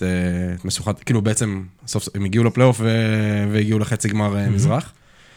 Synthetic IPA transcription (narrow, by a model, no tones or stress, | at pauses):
eme̞ʃuχat̪kiːlubeet͡se̞msofsoemiɡiulepleofveveiɡiuleχet͡siɡmaʁemizʁaχ